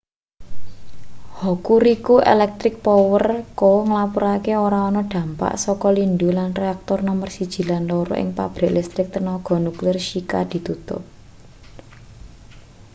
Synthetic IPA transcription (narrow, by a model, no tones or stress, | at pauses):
hokuɾikuʔḛlɛk̚t̪ɾɪk̚pɔwərkɔŋəlapuɾakeoɾaɔnɔɖ̪̥ä̤mpa̰ʔsɔkɔlindulanreak̚t̪ɔrnɔmərsid̥ʒ̥i̤lanloɾɔ̰ʔɪ̰ŋpa̰b̥ɾɛʔlist̪ɾɪk̚t̪ənɔɡ̥ɔ̤nuklɪrʃika̰d̪̥i̤t̪ut̪ʊ̰p̚